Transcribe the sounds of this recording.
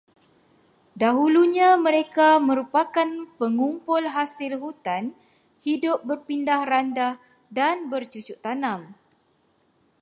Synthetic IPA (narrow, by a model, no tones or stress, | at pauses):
daɦuluɲãmə̃ɾekamə̃ɾupakanpəŋumpʊlɦasɪlɦut̪an | hidʊp̚bərpindahrandah | danbərt͡ʃut͡ʃuʔt̪anãm